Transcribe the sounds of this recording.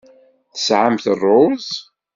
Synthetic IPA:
θə̥sʕamθərˤːʊz

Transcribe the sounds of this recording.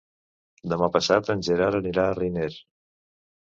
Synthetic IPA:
d̪əmapəsat̪ənʲʒəɾaɾəniɾaːrineɾ

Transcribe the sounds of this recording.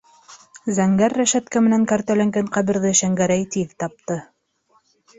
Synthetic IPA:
zæŋɡæɾːæʃæt̪̚kæmɘ̆næŋkæɾt̪ælæŋɡæɴqæβɘ̆ɾðɘʃæŋɡæɾæjt̪iðt̪ɑp̚t̪ɤ

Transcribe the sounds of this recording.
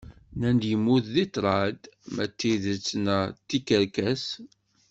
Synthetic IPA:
nænd̪jəmːuððit̪ɾˤɑd̪mæt̪ːiðət͡sːnæt̪ːikəɾkæs

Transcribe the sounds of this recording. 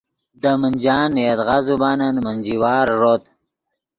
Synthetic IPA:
d̪əmənʲd͡ʒɑːnjet̪ɣazubɑːnanmənd͡ʒiwɑːɾːot̪

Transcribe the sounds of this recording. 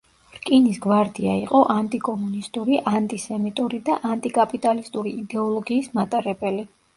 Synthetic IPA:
ɾkʼinisɡwaɾd̪iaiqʼɔʔant̪ʼikʼɔmunist̪ʼuɾiʔant̪ʼisɛmit̪ʼuɾid̪aʔant̪ʼikʼapʼit̪ʼalist̪ʼuɾiʔid̪ɛɔlˠɔɡiːsmat̪ʼaɾɛbɛli

